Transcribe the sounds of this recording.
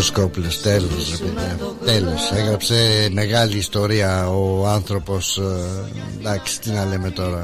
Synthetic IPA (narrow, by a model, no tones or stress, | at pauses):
skopulost̪e̞losɾepeðiɐt̪e̞lo̞seɣɾɐpse̞me̞ɣɐliːst̪o̞ɾiɐoɐnθɾo̞po̞s | d̪ɐksi̥t̪inɐle̞me̞t̪o̞ɾɐ